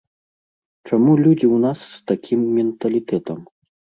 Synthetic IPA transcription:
t͡ʂamulʲud͡zʲiwnasːt̪akʲimːʲɛnt̪ɐlʲit̪ɛt̪ɐm

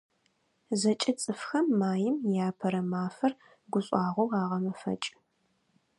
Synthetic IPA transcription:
zɐt͡ʃʼɐt͡sʼɨfxɐmːaːjɪmjaːpʰɐɾɐmaːfɐr | ɡʷʊɕʼɑːʁʷowʁɑːʁɐmɐfɐ̰t͡ʃʼ

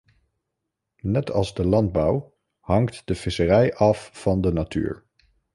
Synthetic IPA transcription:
nɛtʰɑlˠzdəlɑnd̚bʌw | hɑŋktdəv̥ɪsərɛjʔɑfːɑndənatʰy̰ːɹ

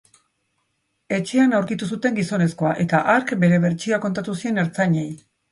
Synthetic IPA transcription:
e̞t͡ʃe̞anawɾkit̪us̬ut̪e̞ŋɡiso̞ne̞sko̞aʔe̞t̪aʔaɾkbe̞ɾe̞βe̞ɾt͡ʃioako̞nt̪at̪usie̞ne̞ɾt͡saɲe̞j

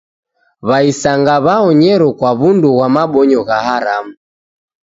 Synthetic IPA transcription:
βaisaŋɡaβaɔɲɛɾɔkwaβunduɣwamaɓɔɲɔɣahaɾamu

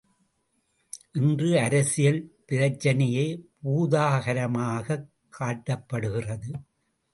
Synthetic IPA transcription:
ʔɪndrɯɐɾɐsɪjɐlpɪɾɐt͡ʃːɐnɐjɐɪpuːðaːɣɐɾɐmaːɣɐ | kʰːaːʈːɐpːɐɽɯɣɪrɐðɯ

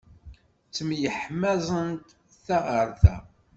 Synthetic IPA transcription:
t͡sːəmjəħmæzˤənt̪ | θæʁəɾˤθæ

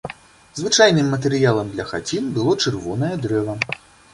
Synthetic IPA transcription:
zvɨt͡ʂajnɨmːɐt̪̬ɛɾɨjalˠɐmd̪lʲɐxa̰d͡zʲinbɨlˠɔt͡ʂɨrvɔnɐjɛd̪ɾɛvɐ

